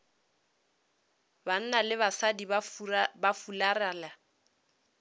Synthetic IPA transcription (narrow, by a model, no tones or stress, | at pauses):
ban̩nalɪβasadibafularaːla